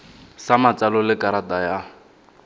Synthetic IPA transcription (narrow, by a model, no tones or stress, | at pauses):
samat͡sʼalɔlɪkaɾataja